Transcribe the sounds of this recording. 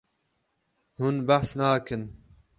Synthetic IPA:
hunbaħsnaːkɨn

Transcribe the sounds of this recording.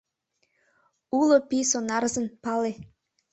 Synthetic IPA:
ulopisonɑɾzə̆npɑle

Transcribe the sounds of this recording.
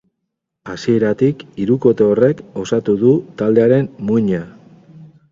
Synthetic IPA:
asie̞ɾat̪ikiɾuko̞t̪oore̞ko̞sat̪uðut̪ald̪e̞aɾe̞mmuɲa

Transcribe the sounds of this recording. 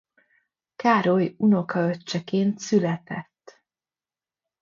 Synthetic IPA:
kaːɾo̞juno̞kɒøt͡ʃːɛkeːnt̪sylɛt̪ɛt̪ː

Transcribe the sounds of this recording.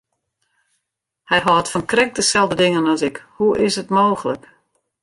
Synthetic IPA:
hɛjɦɔːtfɔnkrɛk̚dəsɛlˠdədɪŋənɔsɪkhuʔɪshətmoːɣələk

